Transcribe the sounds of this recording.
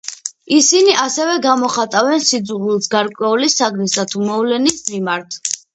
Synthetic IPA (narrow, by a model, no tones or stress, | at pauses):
isiniʔasɛvɛɡamɔχat̪ʼavɛnsid̪zʁilˠsɡaɾkʼwɛulisaɡnisat̪ʰumɔvlɛnismimaɾt̪ʰ